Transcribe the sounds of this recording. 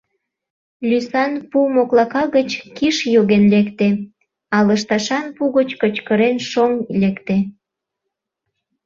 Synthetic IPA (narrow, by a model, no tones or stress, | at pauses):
lʲysɑnpumoklɑkɑɣət͡ɕkiʃjoɣenlekt̪e | ɑləʃt̪ɑʃɑnpuɣət͡ɕkət͡ɕkəɾenʃoŋlekt̪e